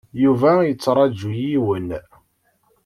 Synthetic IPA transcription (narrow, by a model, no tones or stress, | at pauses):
juvæjət͡sːɾˤɑd͡ʒːujiwən